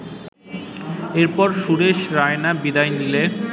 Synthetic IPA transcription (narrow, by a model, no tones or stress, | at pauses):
eɾpɔɾʃuɾeʃɾaenabid̪ajnile